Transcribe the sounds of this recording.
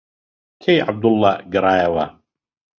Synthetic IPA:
kʰɛjʕa̰b̚d̪ʊlˤːaɡɾˤaːjawa

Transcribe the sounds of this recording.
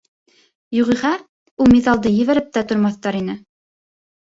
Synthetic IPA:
juʁiʁɑ | ulˠmiðɑlˠd̪ɤjɘ̆βæɾɘp̚t̪æt̪ŏɾmɑθt̪ɑɾinɘ

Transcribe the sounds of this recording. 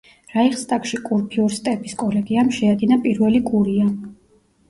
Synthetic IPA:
ɾaiχst̪ʼakʼʃikʼuɾpʰiɔɾst̪ʼɛpʰʼiskʼɔlɛɡiamʃɛad̪inapʼiɾvɛliɡuɾia

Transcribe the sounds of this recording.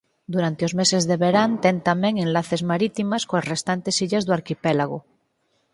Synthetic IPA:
d̪uɾant̪eozmese̞zðe̞βeɾant̪ent̪ameŋẽnlaθezmaɾit̪imaskoasrest̪ant̪e̞siʎazðoaɾkipelaɣ̞o̰

